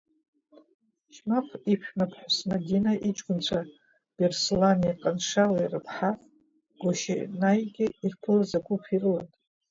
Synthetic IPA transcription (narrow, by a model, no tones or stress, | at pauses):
ʃmapʷʰipʷᶣmapʰħʷᶣasnaɡʲinaʔit͡ʃʼɡʷʼʊnt͡ɕʷʰa | b̥erslanijaqʼanʂawairɨpʰħa | ɡ̥ʷoʃḭnajɡʲɪirpʰɨlazaɡʷupʰirɨlatʼ